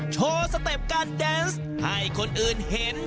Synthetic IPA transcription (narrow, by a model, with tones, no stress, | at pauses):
t͡ɕʰoː˧sa˧t̪e˨˩p̚kaː˧ndɛː˧ns | ha˥˩jkʰo˧nʔɯː˨˩nhe˨˦n